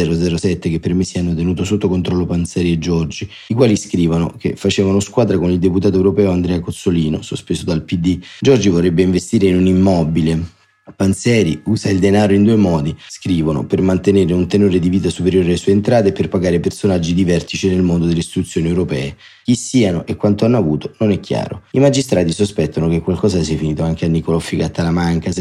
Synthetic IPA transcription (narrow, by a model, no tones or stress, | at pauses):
ɛːɾod̪zɛːɾosɛt̪ːekepːermesːianːot̪̬enuːt̪osot̪ːokont̪ɾɔlːopant̪sɛːɾied͡ʒːɔrd͡ʒi | ikwaːliskɾiːvano̰kefːat͡ʃeːvanoskwaːd̪ɾakonild̪eput̪aːt̪oewɾopɛːoand̪ɾɛːakot̪sːoliːnosospeːsod̪alpid̪ːid͡ʒɔrd͡ʒivorːɛbːeiɱvest̪iːɾeinunimːɔbile | pant̪sɛːɾiuːsaild̪enaːɾoind̪uːemɔːd̪iskɾiːvono̰permant̪eneːɾeunt̪enoːɾed̪iviːt̪asupeɾjoːɾealesueːnt̪ɾaːt̪eːpːerpaɡaːɾepersonad͡ʒːid̪ivɛrt̪it͡ʃinelmond̪od̪elːist̪it̪ut̪sːjoːniewɾopɛːe | k̟isːiːanoʔekːwant̪oanːoavuːt̪ononɛkːja̰ːɾo̰imad͡ʒist̪ɾaːt̪isospɛt̪ːonokekːwalkɔːsasiafiniːt̪oaŋk̟eanːikolɔfːikat̪ːalamaŋkas